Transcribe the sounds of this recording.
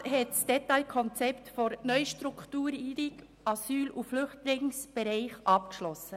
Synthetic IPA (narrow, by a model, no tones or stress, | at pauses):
ɦɛtsd̥ɛtaɪkʰɔnt͡sɛptfɔɾnœʏʃtɾuktuːɾiːdɪɡ | ʔɑsyːluflʏχtlɪŋsb̥ɛɾɛɪχʔɑp̚kʃlɔsːə